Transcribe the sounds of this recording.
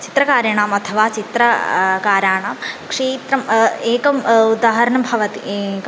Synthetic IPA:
t͡ʃit̪ɾɐkaːɾjɐɳaːmɐt̪ʰɐʋaːt͡ʃit̪ɾɐkaːɾaːɳaːmkʂeːt̪ɾɐmeːkɐmud̪aːɦɐɾɐɳɐmbʱɐʋɐt̪ḭ

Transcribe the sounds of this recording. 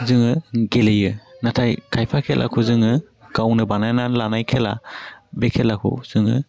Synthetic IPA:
zɯŋɯɡelejɯnatʰajkʰajpʰakʰelʔa̰kʰuzɯŋɯ | ɡ̥awnɯbanajnanlanajkʰelabekʰelakʰṵwz̥ɯŋɯ̰

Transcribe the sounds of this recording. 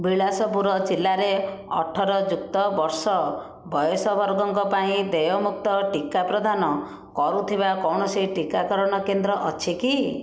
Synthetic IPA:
biɭasɔpuɾɔd͡ʒilːaɾeɔ̰ʈʰɔɾɔd͡ʒuk̚t̪ɔbɔɾsɔ | bɔjɔsɔbʱɔɾɡɔŋkɔpaĩd̪ejɔmuk̚t̪ɔʈikapɾɔd̪ʱanɔ | kɔɾut̪ʰibakɔwɳɔsiʈikakɔɾɔɽ̃ɔkend̪ɾɔʔɔt͡ʃʰiki

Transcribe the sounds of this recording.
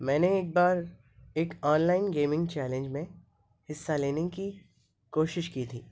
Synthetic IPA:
mɛ̃ːneeːk̚baːɾ | eːkɔːnlaːɪnɡeːmɪ̃ŋɡt͡ʃɛːlẽɲd͡ʒmẽ | hɪsːaleːneki | koːʃɪʃkiːt̪ʰiː

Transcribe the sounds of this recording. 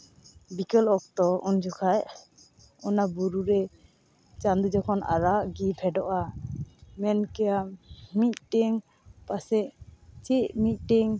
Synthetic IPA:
bikɔlɔk̚t̪ɔund͡ʒɔkʰaj | ɔnabuɾuɾɛ | t͡ʃand̪ud͡ʒɔkʰɔna̰ɾaʔɡipʰɛɖɔʔa | mɛnkɛjamit̪̚ʈɛŋ | pasɛʔt͡ʃɛʔmit̪̚ˀʈɛŋ

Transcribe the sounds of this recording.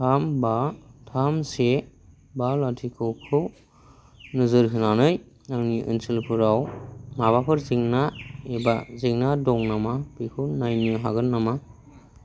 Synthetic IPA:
tʰambatʰamse | balatʰikʰɯkʰɯw | nɯzɯɾkʰɯnanɯj | naŋniʔɯ̰nsilpʰɯɾawmaβapʰɯɾziŋnaebaziŋnadɔŋnamapikʰɯwnajnɯɦa̰ɡɯnːama

